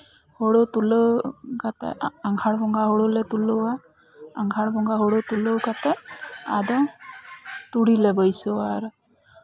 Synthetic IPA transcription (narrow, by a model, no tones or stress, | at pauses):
hoɽot̪uləɡat̪ɛ̰aŋɡʰʱaɽbɔŋɡaɦoɽolɛt̪uləwa | aŋɡʱaɽbɔŋɡaɦoɽot̪uləwɡat̪ɛa̰d̪ɔ | t̪uɽilɛbəjsəwaɾ